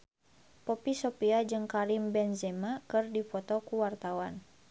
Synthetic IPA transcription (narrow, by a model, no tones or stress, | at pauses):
pɔpisɔpiad͡ʒɨŋkaɾimbɛnzɛmakɨrdifɔt̪ɔkuwart̪awan